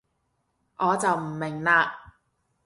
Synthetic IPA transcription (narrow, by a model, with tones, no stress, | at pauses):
ʔɔː˨˧t͡sɐ˨wm̩˨˩mɪ˨˩ŋlaː˧